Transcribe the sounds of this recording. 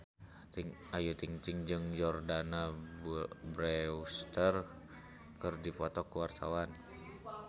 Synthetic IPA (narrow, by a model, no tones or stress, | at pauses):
ŋajut̪iŋt̪iŋd͡ʒɨŋd͡ʒɔrdana | bɾɛust̪ər | kɨrdipɔt̪ɔkuwart̪a̰wan